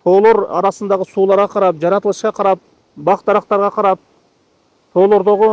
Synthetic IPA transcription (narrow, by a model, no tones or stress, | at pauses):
t̪ʰo̞ːlˠo̞ɾɑ̰ɾɑsɯnd̪ɑʁəsuːlˠɑɾʁɑqʰɑɾɑp̚d͡ʒɑɾɑt̪əlˠɯʃqɑqʰɑɾɑp̚ | bɑqt̪ɑɾɑqt̪ɑɾʁɑqʰɑɾɑp̚ | t̪ʰo̞ːlˠo̞ɾd̪o̞ʁʊ